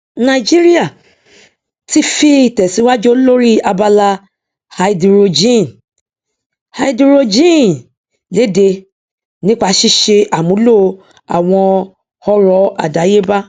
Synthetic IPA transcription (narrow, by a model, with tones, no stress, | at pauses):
nã˧˨i˨d͡ʒi˦ɾi˦a˦˨ | ti˦fi˧˦i˨tɛ˨si˨˦wa˦d͡ʒo˦lo˦ɾi˦a˧ba˧la˧ | ha˧i˧di˨ɾo˧d͡ʒĩ˦˨n | ha˧i˦di˧ɾo˧d͡ʒĩ˦˨ | le˨˦de˧ | nĩ˦k͡pa˧˦ʃi˦ʃe˧ʔa˨mũ˨˦lo˦˨˧ | a̰˨w̃ɔ̃˧ | hɔ˦ɾɔ˨˦ʔa̰˨da˨˦je˦ba˦